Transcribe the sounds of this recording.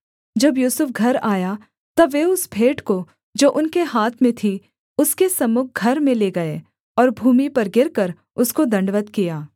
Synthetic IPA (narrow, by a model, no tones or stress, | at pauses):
d͡ʒɐbjuːsʊfɡʱɐɾaːja | t̪ɐːeʊsbʱeːʈko | d͡ʒoːʔʊnkeɦaːt̪ʰmẽt̪ʰi | ʊskesɐmʊk̚ʰɡʱɐɾmẽleɡɐeː | ɔːɾbʱuːmipɐɾɡɪɾkɐɾ | ʊskod̪ɐ̃ɳɖʋət̪kijaː